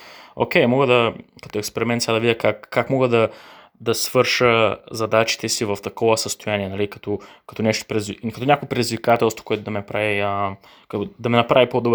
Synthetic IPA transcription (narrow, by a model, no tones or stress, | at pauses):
o̰kʲejmɔɡəd̪ɐkɐt̪oɛkspɛɾimɛnt̪sjad̪ɐvid̪ʲkakːakmɔɡəd̪ɐ | d̪ɐsvɤɾʃəzɐd̪at͡ʃi̥t̪ɛsivɐft̪ɐkɔvɐsɐst̪ojaniɛnɐlikɐ̥t̪ɔkɐt̪onɛʃt̪o̥pɾɛzvikɐt̪onʲɲakopɾɛd̪izvikat̪ɛlˠst̪vo̥koɛt̪od̪ɐmɛnpɾaviə | k̪d̪ɐmɛnɐpɾavipod̪ob